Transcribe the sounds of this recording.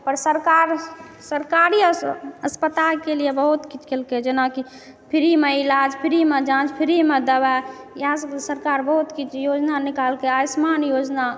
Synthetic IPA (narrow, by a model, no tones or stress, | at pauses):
pəɾsəɾkaɾ | səɾkaɾiəspət̪alkelijebəɦut̪kit͡ʃʰkelked͡ʒenaki | pʰiɾimeilad͡ʒpʰiɾimed͡ʒãt͡ʃpʰiɾimed̪əba | jassəɾkaɾbəɦut̪kit͡ʃʰjod͡ʒnanikalkeasmanjod͡ʒna